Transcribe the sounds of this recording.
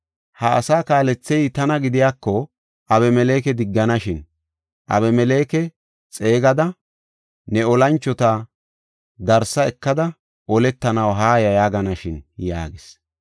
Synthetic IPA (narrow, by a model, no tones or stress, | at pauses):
hɐɐsaːkaːlɛt͡sːɛjt̪ɐnɐɡɪd̪ɪjaːkːɔ | ʔɐβɛmɛleːkɛd̪ɪɡːɐnɐʃɪn | ʔɐ̰βɛmɛle̞ːkɛ | t͡sʼe̞ːɡɐd̪ɐ | nɛɔlɐnt͡ʃːɔt̪a | d̪ɐɾsɐɛkːɐd̪ɐ | ʔɔlɛt̪ːɐnɐwɦaːjɐjaːɡɐnɐʃɪnja̰ːɡɪs